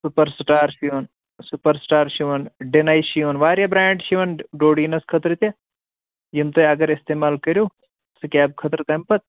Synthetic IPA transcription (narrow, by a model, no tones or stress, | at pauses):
supəɾsʈaːɾʃiʋɐn | supəɾsʈaːɾʃiʋɐnɖinaːjʃiʋɐnʋaːɾjabɾaːɳɖʃiʋɐnɖoːɖiːnɐskʰɐt̪ɾɨt̪a | jimt̪ɐɐɡɐɾɪst̪eːmaːlkəɾjoː | sɨkʲaːb̚kʰɐt̪ɾt̪ɐmpɐt̪̚